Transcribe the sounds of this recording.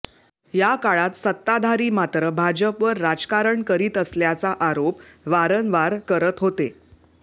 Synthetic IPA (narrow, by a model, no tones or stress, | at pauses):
jakaɭat̪sət̪ːad̪ʱaɾiːmat̪ɾəbʱad͡ʑəpʋəɾːad͡zkaɾəɳkəɾiːt̪əsljat͡saʔaɾopʋaɾənʋaɾkəɾət̪ɦot̪e